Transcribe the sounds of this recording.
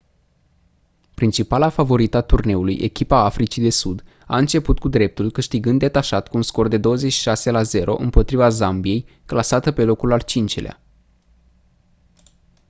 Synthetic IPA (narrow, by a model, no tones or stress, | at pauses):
pɾint͡ʃipalafavo̞ɾit̪at̪urne̞ulujʔe̞̰kʲipaafɾit͡ʃid̪e̞sud̪ | a̰ɨnt͡ʃe̞put̪̚kud̪ɾe̞p̚t̪ulkɨʃt̪iɡɨnd̪e̞t̪aʃat̪kuːnsko̞rd̪e̞d̪o̞wəzet͡ʃʃi̥ʃase̞laze̞ɾo̞̰ʔɨmpo̞t̪ɾivazambije̞j | klasat̪əpe̞lo̞kulalt͡ʃint͡ʃelea̰